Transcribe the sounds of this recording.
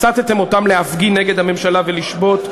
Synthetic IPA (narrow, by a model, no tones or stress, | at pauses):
t͡sat̪et̪emotamleafɡineɡed̪hame̞mʃalaveliʃbo̞t̪